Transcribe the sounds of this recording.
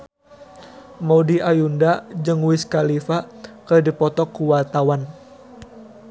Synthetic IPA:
mɔudiajundad͡ʒɨŋwiskalifakərdipɔt̪ɔkuwart̪awan

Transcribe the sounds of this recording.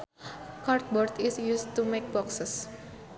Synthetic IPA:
kart̪̚bɔrt̪isjust̪umek̚bɔksəs

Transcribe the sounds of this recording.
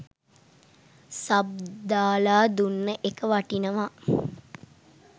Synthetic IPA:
sab̚d̪aːlaːd̪unːəʔekəʋaʈinəʋa

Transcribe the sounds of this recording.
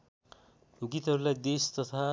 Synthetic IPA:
uɡit̪ɦʌɾulajd̪est̪ʌt̪ʰa

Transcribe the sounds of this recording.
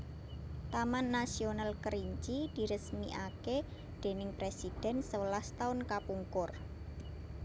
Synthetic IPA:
t̪amanːasionalkəɾiɲt͡ʃid̪̥i̤ɾəsmiʔake | d̪̥e̤nɪŋpɾesid̥ɛ̤nsəwəlast̪aʊnkapuŋkʊr

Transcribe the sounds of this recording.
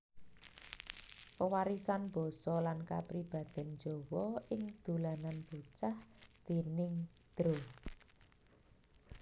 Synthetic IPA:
pəwaɾisanb̥ɔ̤sɔlanka̰pɾib̥a̤d̪̥ɛ̤nd͡ʒo̤wɔɪŋd̪̥ulananb̥ut͡ʃahd̪̥e̤nɪŋ | d̪̥ɾo

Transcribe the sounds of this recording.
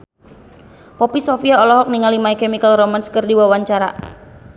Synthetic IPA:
pɔpisofiaɔlɔɦɔk̚niŋalimaikɛmikəlromanskərdiwawaɲt͡ʃaɾa̰

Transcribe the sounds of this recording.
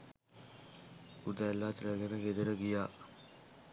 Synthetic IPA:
ud̪alːaːt̪ɾəɡenəɡed̪əɾəɡijaː

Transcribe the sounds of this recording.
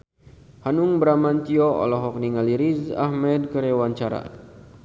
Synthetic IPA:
hanuŋbɾamant̪iɔɔ̰lɔɦɔk̚niŋaliɾiza̰hmɛd̚kəɾewaɲt͡ʃaɾa̰

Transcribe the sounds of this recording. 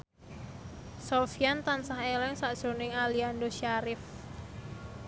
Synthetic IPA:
sofijant̪ansaɦelɛŋsaʔd̥ʒ̥o̤nɪŋaliandoʃaɾɪf

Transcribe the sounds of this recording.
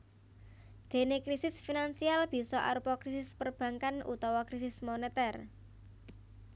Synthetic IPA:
d̪̥e̤nekɾisɪsfinansialb̥i̤sɔʔa̰ɾupɔkɾisɪspərb̥ä̤ŋkanʔṵt̪ɔwɔkɾisɪsmonet̪ɛr

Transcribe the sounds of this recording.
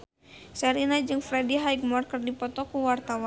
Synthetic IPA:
sɛɾinad͡ʒɨŋfɾɛdiɦajɡ̚mɔrkərdipɔt̪ɔkuwart̪awa

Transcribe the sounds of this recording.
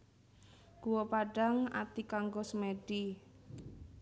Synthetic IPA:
ɡ̥uwopaɖaŋa̰t̪ikaŋɡosmeɖ̥i

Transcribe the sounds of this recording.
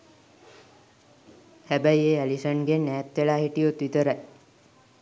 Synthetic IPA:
hæbæjeælisəɳɡenːɛːt̪ʋeɭaːɦiʈijot̪ʋit̪əɾaj

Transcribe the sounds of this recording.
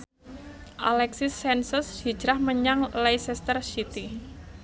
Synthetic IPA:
ʔa̰lɛksisɛnsʊshi̥d͡ʒɾahməɲaŋlajsɛst̪ərʃit̪i

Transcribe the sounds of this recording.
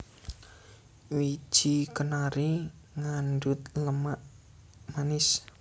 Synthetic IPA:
wi̥ʒ̥ikənaɾi | ŋanɖʊt̪ləmaʔ | manɪs

